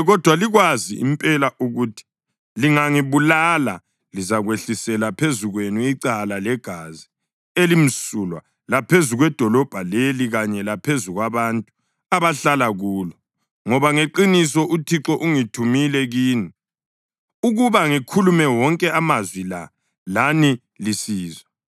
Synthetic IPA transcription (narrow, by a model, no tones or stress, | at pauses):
ɣɔd̥ʱwaliɣwazḭḭmpʼɛlaʔuɣuːtʰi̥ | liŋaŋiβulala̰ | lizaɣweɬisɛlapʰezuɣwenuiǀalalɛɡ̥ʱazi | elim̩sulwa̰ | lapʰezuɣwɛd̥ʱɔlɔb̥ʱaleliɣaɲɛlapʰezuɣwaβantʼu̥ | aβaɬalaɣuːlɔ | ŋɔβaŋeǃinisɔʔutʰiǁɔʔuŋitʰumilɛɣiːni | uɣuβaŋikʰulumɛwɔŋkʼɛamazwila | lani | lisiːzwa